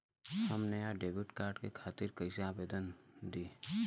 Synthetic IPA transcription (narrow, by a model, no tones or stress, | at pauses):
həmneaɖeːʋɪʈkaːɾɖkekʰaːt̪ɪɾkəɪsiaːbeːd̪ənd̪iː